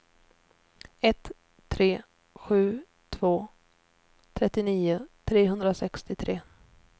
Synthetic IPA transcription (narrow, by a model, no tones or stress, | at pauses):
ɛt̪ʰː | ɾeː | ɧʉ̟ː | t̪ʰv̥oː | t̪ʰɾɛt̪ːɪniːʊt̪ʰɾeːɦɵnd̪ɾasɛkst̪ɪt̪ʰɾeː